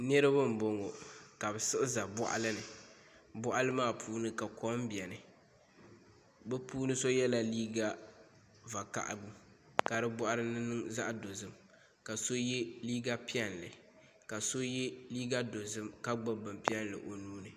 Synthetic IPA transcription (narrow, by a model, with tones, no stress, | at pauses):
nɛ˦ɾɨ˦bɨ˦m̩˨bo˨ŋo˨ka˨bɛ˨sɨ˦ʔɨ˦za˨bɔ˦ʔa̰˦lɨ˦nɨ˨ | bɔ˦ʔa˦lɨ˦maː˦˨pʰuː˦nɨ˦ka˨kɔ˦m˦bi˨ɛ˨nɨ˨ | bɛ˦puː˦nɨ˦so˦jɛ˦la˦liː˦ɡa˦ | va˨ka̰˨ʔbu˦ | ka˨ɾɨ˦bʊ˦ʔa˦ɾɨ˦nɨ˦nɨ˦ŋza˦ʔdo˨zɨ˦m | ka˨so˦jɛ˦liː˦ɡa˦pi˦ɛ˦n˨lɨ˨ | ka˨so˦jɛ˦liː˦ɡa˦do˨zɨ˦mka˦ɡ͡bɨ˦bɨ˨m˨pi˦ɛ˦nlɨ̰˨ʔo˨nuː˦nɨ˨